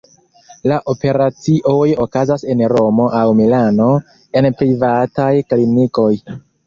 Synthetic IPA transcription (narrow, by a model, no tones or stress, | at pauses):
laʔo̞pe̞ɾat͡siʔo̞jo̞kazase̞nɾo̞mo̞ʔawmilano̞ | e̞npɾivatajkliniko̞j